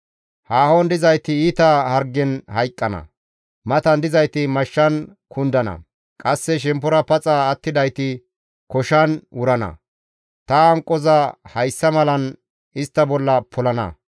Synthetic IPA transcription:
haːhond̪ɪzɐjt̪ɪiːt̪ɐhɐɾɡɛnhɐjkʼːɐnɐ̰ | mɐt̪ɐnd̪ɪzɐjt̪ɪmɐʃːɐn | kʊnd̪ɐnɐ̰ | kʼɐsːɛʃ̬ɛmpːʊɾɐpɐt͡sʼɐːt̪ːɪd̪ɐjt̪ɪ | kɔʃɐnwʊɾɐnɐ̰ | t̪ɐɐŋkʼːɔzɐhɐjsːɐmɐlɐn | ɪst̪ːɐbɔlːɐpʰɔlɐnɐ̰

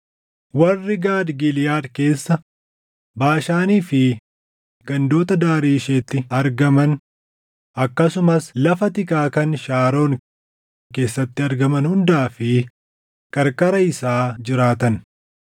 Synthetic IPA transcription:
wɐrːɪɡaːd̪ɡɪljaːd̪ke̞ːsːɐ | baːʃaːniːfɪ | ɡɐnd̪o̞ːt̪ɐd̪aːɾiːʃeːt̪ːɪɐɾɡɐmɐn | ɐkːɐsʊmɐslɐfɐt̪ɪkʼaːkɐnʃaːɾo̞ːn | ke̞ːsːɐt̪ːɪɐɾɡɐmɐnhʊnd̪aːfɪ | kʼɐɾkʼɐɾɐɪsaːd͡ʒɪɾaːt̪ɐn

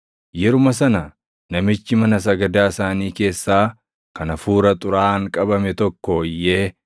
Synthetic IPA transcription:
jɛɾʊmɐsɐnɐ | nɐmɪt͡ʃːɪmɐnɐs̬ɐɡɐd̪aːɪsaːniːke̞ːsːaː | kɐnɐfuːɾɐt̪ʼʊɾaːŋkʼɐbɐmɛt̪ɔkːɔjːeː

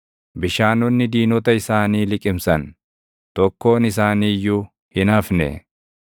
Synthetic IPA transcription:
bɪʃaːnɔnːɪd̪iːnɔt̪ɐɪsaːniːlɪkʼɪmsɐn | t̪ɔkːo̞ːnɪsaːniːjːʊ | hɪnɐfnɛ̰

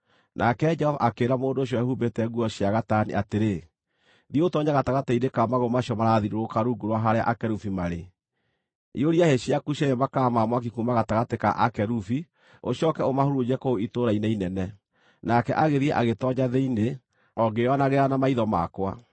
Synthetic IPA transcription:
nʔakɛd͡ʒɛhɔva̰ʔakeːɾamoːndoːɕjɔɛhubetɛɣuɔɕjaɣatanḭʔateɾe | ɾiotɔɲaɣataɣateidekamaɣomaɕjɔmaɾaðiɾoɾokaɾuɡuɾwaɦaɾea̰ʔakɛɾufimaɾe | ḭoɾiaheɕiakuɕajɛmakamamwak̬ikumaɣataɣateka̰ʔakɛɾufi | oɕjɔkɛomahoɾud͡ʒɛkooitoɾainɛinɛnɛ | nakɛʔaɣeðiɛʔaɣetɔɲaðeine | ɔɡejɔnaɣeɾanamaiðɔma̰kwa̰

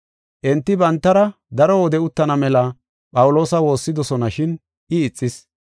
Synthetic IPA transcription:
ʔɛnt̪ːɪbɐnt̪ːɐɾɐ | d̪ɐɾɔɔd̪ɛʊt̪ːɐnɐmɛlɐ | pʼɐwʊlo̞ːsɐwo̞ːsːɪd̪ɔsɔnɐʃɪn | ʔɪːt͡sʼːɪs

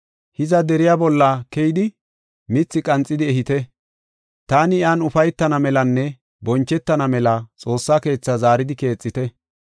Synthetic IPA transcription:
hɪzɐd̪ɛɾɪjaːbɔlːɐkɛjɪd̪ɪ | mɪt͡sːɪkʼɐnt͡sʼːɪd̪ɪɛɦɪt̪ɛ | t̪aːnɪjaːnʊfɐjt̪ːɐnɐmɛlɐnːɛ | bɔnt͡ʃːɛt̪ːɐnɐmɛlɐt͡sʼo̞ːsːaːke̞ːt͡sːɐzaːɾɪd̪ɪke̞ːt͡sʼːɪt̪ɛ

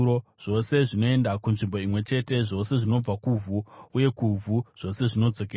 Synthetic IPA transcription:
oʐ̥o̞se̞ʐino̞e̞ndakunʐimbo̞imwe̞t͡ʃe̞te̞ʐo̞se̞ʐino̞b͡vakuvʱuuje̞kuvʱuʐ̥o̞se̞ʐino̞d͡zo̞ke

